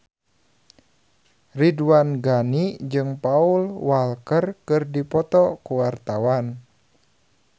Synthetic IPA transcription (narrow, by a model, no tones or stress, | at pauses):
ridwanɡanid͡ʒɨŋpaulwalkərkɨrdipɔt̪ɔkuwart̪awan